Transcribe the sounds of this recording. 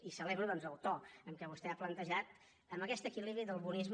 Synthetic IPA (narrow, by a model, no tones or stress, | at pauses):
isəleβɾuðɔnzəwt̪ɔəmkɛβust̪ɛaplənt̪əʒat̪ | əmbəkɛst̪əkiliβɾiðəlˠβunizm